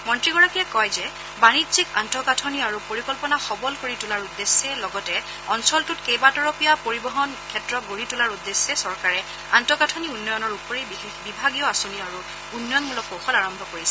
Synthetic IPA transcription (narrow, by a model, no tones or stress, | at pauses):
mɔntɹiɡɔɹakiɛkɔjzɛ | banidzikantɔkatʰɔniaɹupoɹikɔlpɔnaxɔbɔlkoɹitulaɹudːesːɛlɔɡɔtɛ | ɔnsɔltʊtkejbatɔɹopijapoɹibɔɦɔnkʰɛtɹɔɡuɹitulaɹudːesːɛsɔɹkaɹɛ | antɔkatʰɔniunːɔjɔnɔɹupoɹebixexbibʱaɡijɔasoniɔaɹu | unːɔjɔnbulɔkoxɔlaɹɔmbʱɔkoɹisɛ